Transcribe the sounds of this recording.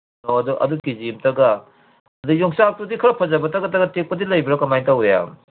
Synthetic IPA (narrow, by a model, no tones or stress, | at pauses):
noɐduʔɐ̰dukizimtɐɡɐ | ɐdujoŋsak̚tudikʰɐɾɐpʰɐzɐbɐtɐɡɐt̬ɐɡɐtek̚pɐdilɐjbɐɾɐkɐmajŋtawja̰